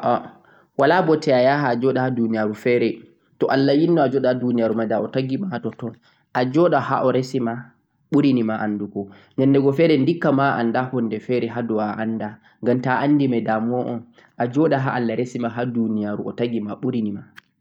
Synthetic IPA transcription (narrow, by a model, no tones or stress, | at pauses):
ʔɔ | walabɔtɛajaɦad͡ʒɔɗahadunijaɾufɛɾɛ | tɔʔalːajinːɔad͡ʒɔɗaadunijaɾumadaɔtaɡimatɔtɔn | ʔad͡ʒɔɗaha̰ʔɔɾesima | ɓuɾinimaʔanːdukɔ | ɲɛndɛɡɔfɛɾɛndikːamaʔa̰ndahɔndɛfɛɾɛɦadɔwaʔanːda | ŋɡamtaʔanːdimɛdamɔʔɔ̰n | ʔad͡ʒɔɗaɦaʔalːaɾesimaɦadunijaɾuʔɔ̰taɡimaɓuɾinima